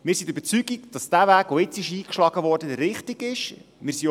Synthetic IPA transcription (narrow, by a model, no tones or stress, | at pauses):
mɪːɾsidɾybət͡syɡikd̥ɑsd̥ævæːɡ̥oɪt͡sɪʃiːkʃlɑɡ̥əʋɔːrdəɾɪχtɪɡ̥ɪʃ | mɪːɾsi